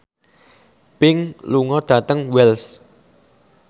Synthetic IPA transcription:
pɪŋluŋɔd̪̥ä̤t̪əŋwɛls

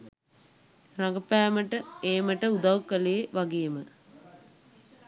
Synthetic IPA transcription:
raɡəpæːməʈəeːməʈəud̪awkːəleːʋaɡeːmə

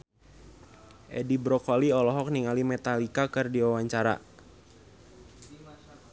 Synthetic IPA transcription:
ʔɛ̰dibɾɔkɔliɔlɔɦɔk̚niŋalimɛt̪alikakɨrdiwawaɲt͡ʃaɾa̰

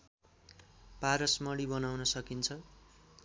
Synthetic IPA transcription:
paɾʌsmʌɽibʌnawnʌsʌkint͡sʰʌ

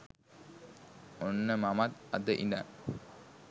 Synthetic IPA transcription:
onːəmamat̪ɐd̪əʔḭna̰

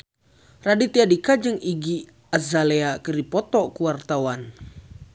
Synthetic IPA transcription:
radit̪iadikad͡ʒɨŋiɡi | azaleakɨrdipɔt̪ɔkuwart̪awan

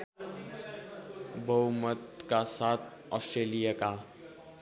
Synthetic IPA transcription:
bʱʌumət̪kasat̪ʰ | ɔ̰sʈɾelijaka

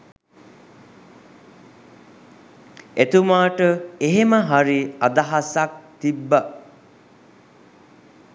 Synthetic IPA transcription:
et̪umaːʈəeɦeməɦaɾiad̪aɦasak̚t̪ibːa

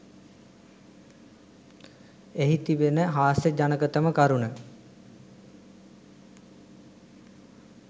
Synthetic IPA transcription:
eɦit̪iʋenəɦaːsed͡ʑanəkət̪əməkaɾunə

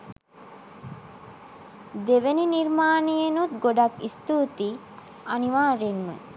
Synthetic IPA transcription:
d̪eʋeniniɾmaːnejenut̪̚ɡoɖakist̪uːt̪i | aniʋaːɾenʋə̰

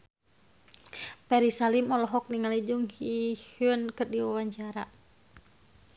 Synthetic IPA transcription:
pɛɾisalimɔlɔɦɔk̚niŋalid͡ʒuŋhihuənkɨrdiwawaɲt͡ʃaɾa

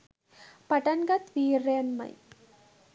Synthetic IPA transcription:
pɐʈɐnɡɐt̪ʋiːɾːeɐnmɐ̰j

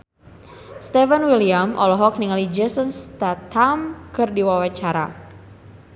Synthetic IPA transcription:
st̪ɛfənwiliamʔɔ̰lɔɦɔk̚niŋalid͡ʒɛsɔnst̪at̪ʰamkɨrdiwawat͡ʃaɾa̰

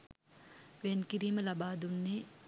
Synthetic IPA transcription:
ʋenkiɾiːməlabaːd̪unːeː

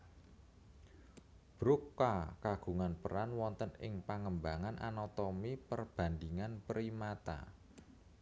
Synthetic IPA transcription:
b̥ɾukːakaɡ̥ṳŋanpəɾanwɔnt̪ənɪ̰ŋpaŋəmbaŋanʔa̰nɔt̪ɔmipərb̥a̤nd̪iŋanpəɾimat̪a̰

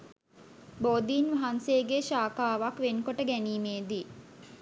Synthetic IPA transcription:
boːd̪iːnʋaɦanseːɡeʃaːkaːʋakʋenkoʈəɡæniːmeːd̪i

